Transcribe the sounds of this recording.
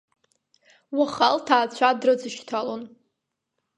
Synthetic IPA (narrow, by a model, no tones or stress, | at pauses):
waχaltʰaːt͡ɕʷʰadrɨd͡zɨʃtʰalon